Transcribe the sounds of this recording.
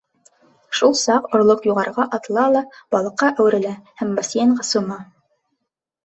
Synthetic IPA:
ʃulˠsɑqŏɾlˠoqjuʁɑɾʁɑʔɑt̪lˠɑlˠɑb̥ɑlˠɤ̆qːɑʔæwɘ̆ɾɘ̆læhæmbɑsjenʁɑsŭmɑ

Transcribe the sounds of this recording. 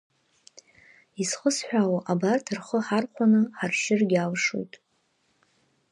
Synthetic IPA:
isχəsħʷᶣawaʔabartʰɨrχəħarqʷʰanɨħarʃɪrɡʲawʂṵjtʼ

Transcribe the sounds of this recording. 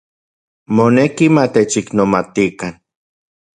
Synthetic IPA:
monekimat̪et͡ʃiknomat̪ikan

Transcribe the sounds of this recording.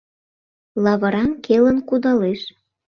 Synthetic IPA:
lɑβɤɾɑnkelənkud̪ɑleʃ

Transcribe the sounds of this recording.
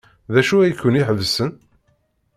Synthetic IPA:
ðæʃuæjəkːəniħəvsən

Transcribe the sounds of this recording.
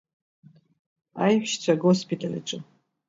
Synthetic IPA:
ajħʃt͡ɕʷʰaɡospitʰalḭʈ͡ʂʼɨ

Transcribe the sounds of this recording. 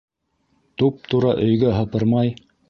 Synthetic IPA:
t̪up̚t̪uɾɑʔɵ̆jɡæɦɤ̆pɤɾmɑj

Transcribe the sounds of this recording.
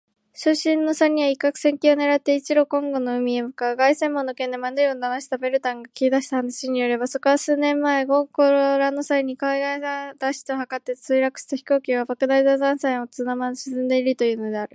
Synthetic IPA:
ɕoɕĩnːo̞saɲ̟ːiaikːakɯ̟̥sẽ̞ŋkʲione̞ɾat̪ːe̞it͡ɕiɾo̞kõ̞ŋɡo̞no̞ɯ̟mʲiemɯ̟kaɡaisẽ̞mːõ̞nːo̞kend̪emãnd̪ɯɾʲiond̪anaɕi̥t̪abe̞ɾɯ̟t̪ãŋɡakʲiid̪aɕi̥t̪ahanaɕiɲ̟ijoɾe̞baso̞ko̞βasɨːnẽ̞mːae̞ɡo̞ko̞ɾoɾano̞saiɲ̟ikaiɡaad̪̥aɕi̥t̪o̞ɦakat̪ːe̞t͡sɨiɾakɯ̟ɕi̥t̪açi̥ko̞ːkʲiβabakɯ̟d̪aid̪azãɰ̃sẽɰ̃o̞t͡sɨnamaɕi̥sɨ̃nd̪e̞iɾɯ̟t̪o̞jɯ̟ːno̞d̪e̞aɾɯ̟

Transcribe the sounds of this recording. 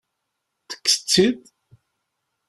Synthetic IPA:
θə̥kːsə̥t͡sːið

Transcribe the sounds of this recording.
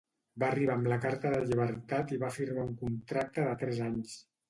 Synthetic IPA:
baːriβ̞aːmləkaɾt̪əðəʎiβ̞əɾt̪at̪iβafiɾmauŋkunt̪ɾak̚t̪əðət̪ɾɛzaɲs

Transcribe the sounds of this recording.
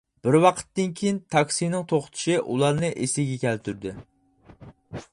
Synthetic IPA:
b̥ɪɾwɑqʰə̥t̪ːɨnkʲʰejint̪ʰɑkʲsijnɪŋt̪ʰoχt̪ʰɪ̥ʃiʔṵlˠɑɾnɨʔesɪɡʲɛkʲɛlt̪ʰyɾd̪ɪ

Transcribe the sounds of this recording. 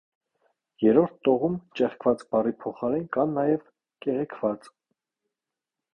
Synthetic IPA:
jɛɾɔɾt̪ʰt̪ːɔʁumt͡ʃɛχkʰvɑt͡sbɑripʰɔχɑɾɛnkɑnːɑjɛv | kɛʁɛkʰvɑt͡s

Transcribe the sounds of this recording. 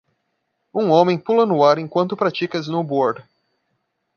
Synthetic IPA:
ũŋõmẽj̃pulɐnʊaɾẽj̃kwɐ̃nt̪ʊpɾat͡ʃikɐznʊboɾd̪

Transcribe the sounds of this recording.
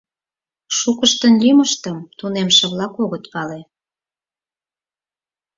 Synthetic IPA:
ʃukəʃt̪ənlʲiməʃt̪əmt̪unemʃə̆βlɑkoɣət̪pɑle

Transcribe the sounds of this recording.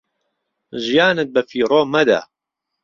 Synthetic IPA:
ʒijaːnɨt̪̚bɐfiːɾˤoːmɐd̪a̰

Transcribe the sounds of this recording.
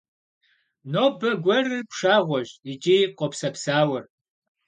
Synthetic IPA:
noːbɐɡʷɔrɨpʂaːʁʷɔʑit͡ʃʼijqʷɔpsɐpsaːwɐr

